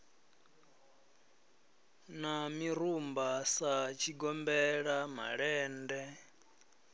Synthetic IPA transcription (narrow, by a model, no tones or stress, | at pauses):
namiɾumbasat͡ʃʰiɡɔmbɛɺama̰ɺɛːndɛ